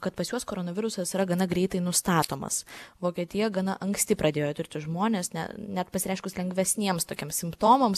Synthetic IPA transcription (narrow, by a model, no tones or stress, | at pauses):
kɐt̪pɐsjuɔskoːɾonɐʋʲɪɾʊsɐsɪɾɐɡɐnɐɡɾʲɛɪt̪ɐɪnʊst̪ɑːt̪oːmɐ̰sʋoːkʲiɛt̪ʲɪjɛɡɐnɐʔɐŋksʲt̪ʲɪpɾɐd̪ʲeːjoːt̪ʊɾʲt̪ʲɪʒmoːnʲeːsnʲɛ̰nʲæt̪pɐsʲɪɾʲɛɪʃkʊslʲɛŋɡʋʲɛsʲnʲiɛmst̪oːkʲiɛmsʲɪmpt̪oːmoms